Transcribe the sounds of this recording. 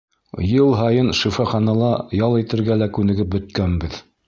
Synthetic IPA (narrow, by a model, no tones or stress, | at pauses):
jɤlˠɦɑjɤnʃifɑχɑnɑlˠɑjɑlˠit̪ɘ̆ɾɡælækʉnɘ̆ɡɘp̚bɵ̆t̪̚kænbɘð